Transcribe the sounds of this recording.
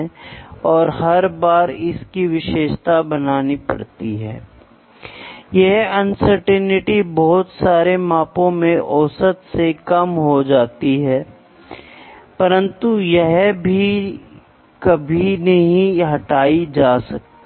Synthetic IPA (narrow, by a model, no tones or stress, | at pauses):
ɔːɾhɐɾbaːɾɪskiʋɪʃeːʃt̪abɐnaːnipɐ̰ɽt̪iɦɛ̰ː | jɛɦɐnsəɾʈɛnɪʈibɔɦːʊt̪saːɾemãːpõmẽʔɔːsət̪sekɐmɦod͡ʒaːt̪iɦɛː | pɐɾə̃nt̪ujɛɦbʱi | kɐbʱinɐɦĩɦɐʈaːid͡ʒaːsɐk̚t̪